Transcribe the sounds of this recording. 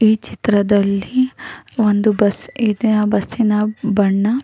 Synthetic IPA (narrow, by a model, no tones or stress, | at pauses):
iːt͡ʃit̪ɾɐd̪ɐlːiʋond̪ubɐsid̪nɐbɐsinɐbɐɳːɐ